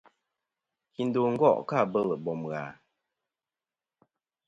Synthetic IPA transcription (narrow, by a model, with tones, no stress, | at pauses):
ki˨n˦do˨ŋ̩˦ɡɔ̰˦˨ʔka˦˨bə˦˨lə˨bɔ˨mɣa̰˨